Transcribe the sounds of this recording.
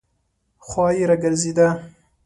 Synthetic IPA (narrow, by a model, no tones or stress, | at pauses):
xwɑːjiɾɐɡɐɾziːd̪ɐ